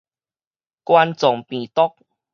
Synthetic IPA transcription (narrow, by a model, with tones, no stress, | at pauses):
kwa˧nt͡sɔ˨˩ŋpĩ˨t̪ɔ˦k̚